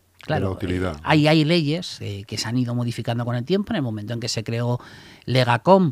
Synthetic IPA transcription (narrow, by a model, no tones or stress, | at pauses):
klaɾout̪iliðaa̰jajle̞ʝe̞sekeseaniðo̞mo̞ðifikand̪o̞ko̞nelt̪je̞mponelmo̞mẽnt̪oeŋke̞se̞kɾe̞ole̞ɣ̞ako̞m